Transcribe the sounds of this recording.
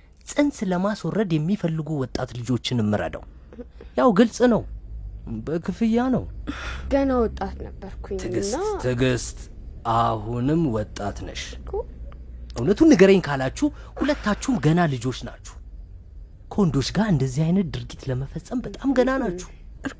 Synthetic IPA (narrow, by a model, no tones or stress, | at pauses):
sʼɨnsləmaswɔɾəd̪jɛmːifəlːɨɡuwɔt̪ʼːat̪lɨd͡ʒo̞t͡ʃːɪnɨmːɨɾə̰d̪ə̰w | jawɡɨlsʼnəw | bəkʰɨfɨjːanə̰wɡ̥ənawɔt̪ʼːat̪nəbːəɾkʰuɨɡɨst̪ʰɨɡɨst̪ʼahunɨmːwɔt̪ʼːa̰t̪nə̰ʃ | ʔɨhnət̪ʰunːɨɡəɾenkʰalat͡ʃːuhhulət̪ːat͡ʃːɛhmɡənalɨd͡ʒo̞t͡ʃːna̰t͡ʃːu̥h | kʰəwɔnd̪o̞t͡ʃːɡaɾɨnd̪əzːihajnət̪̚d̪ɨɾɡit̪ləməfəsʼəmbət̪ʼamɡənanat͡ʃːɛ̥h